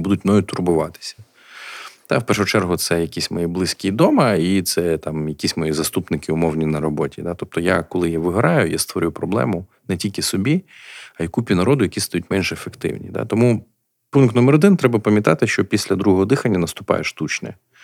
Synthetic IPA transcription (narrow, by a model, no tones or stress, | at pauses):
bud̪ʊtʲmnɔjʊt̪ʊrbʊʋɑt̪ɪ̥sʲɐ̥ | t̪ɑ̰wpɛrʃʊt͡ʃɛrɦʊt̪sɛjɐkʲisʲmɔjiblˠɪsʲkʲid̪ɔmɐit̪sɛt̪ɑmjɐkʲisʲmɔjizɐst̪upnɪkɪʊmɔwnʲinɐɾɔbɔtʲid̪at̪ɔp̚t̪ɔjakɔlˠɪjaʋɪɦɐɾɑjʊjast̪ʋɔɾʲupɾɔblˠɛ̰mʊ | nɛtʲilʲkɪsɔbʲiɐjɐkupʲinɐɾɔd̪ʊjɐkʲist̪ɐjutʲmɛnʒɛefekt̪ɪ̰wnʲḭd̪a̰t̪ɔmu | punkt̪nɔmɛɾɔd̪ɪnt̪ɾɛbɐpɐmʲjɐt̪ɑt̪ɪʃt͡ʃɔpʲisʲlʲɐd̪ɾuɦɔɦɔd̪ɪxɐnʲːɐnɐst̪ʊpɑ̰jeʃt̪ut͡ʃnɛ̰